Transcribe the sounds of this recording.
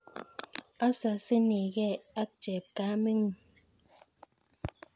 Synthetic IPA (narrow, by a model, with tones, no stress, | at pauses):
a˦sa˨se˦ne˨ɣɛ˦a˦k̚t͡ʃɛ˨p̚ka˨˦me˦ŋ˨